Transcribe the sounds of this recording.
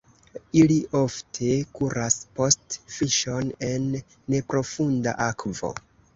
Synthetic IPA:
iliʔo̞ftʰe̞kuɾaspostfiʃo̞ne̞nː | e̞pɾo̞funda̰ʔakvo̞̰

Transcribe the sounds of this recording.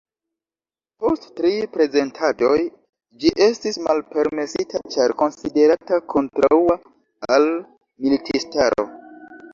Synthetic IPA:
po̞sttɾipɾe̞ze̞ntʰado̞j | d͡ʒiʔe̞stismalpe̞ɾme̞sitat͡ʃaɾko̞nside̞ɾatakʰo̞ntɾaua | al | militʰistaɾo̞̰

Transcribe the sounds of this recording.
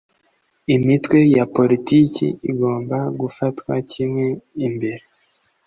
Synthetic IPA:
imitwe̞japo̞ɾitiːcḭiɡo̞ːmbaɡufatkwa̰cimŋwe̞imbe̞ɾe

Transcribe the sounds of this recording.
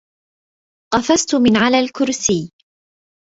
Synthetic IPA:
qɑfast̪ʊmɪnʕalaːlkʊɾsiː

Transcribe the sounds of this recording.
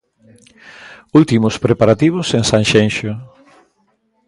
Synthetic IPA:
ult̪imʊspɾepaɾat̪iβʊseŋsaŋʃenʃʊ

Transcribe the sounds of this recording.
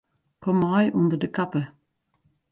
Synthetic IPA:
kʰɔmɑɪʔʉnd̪əɖekʰɑpə

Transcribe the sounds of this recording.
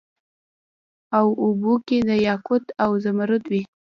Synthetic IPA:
awubuked̪əjɑkʊt̪awzamaɾʊt̪wi

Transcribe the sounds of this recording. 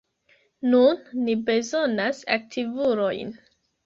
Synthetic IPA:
nunːibe̞zonasa̰k̚tʰivuɾo̞jn

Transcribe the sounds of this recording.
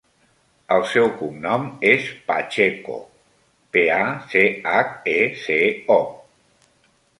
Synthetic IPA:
əlˠsɛwkumnɔmespa̰t͡ʃeko̰ | peaseakeseɔ

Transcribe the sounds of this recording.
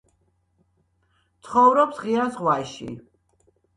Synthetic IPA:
t̪sʰχɔvɾɔpsʁiasʁwaʃḭ

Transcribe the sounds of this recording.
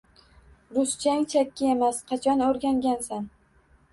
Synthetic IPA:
ɾʊst͡ʃʰaŋt͡ʃʰakʲːɪe̞masqʰɑt͡ʃʰɒnoɾɡʲaŋɡʲansan

